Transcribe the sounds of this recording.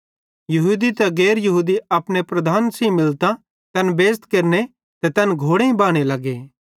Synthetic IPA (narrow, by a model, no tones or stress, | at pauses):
jɐɦuːd̪it̪ɛɡeːɾjɐɦuːd̪iɐpɽ̃epɾɐd̪ʱaːnsĩmɪlt̪a | kɐnbeːst̪kɐɾne | t̪ɛt̪ɛnɡʱoːɽeĩbaːɽ̃elɐɡe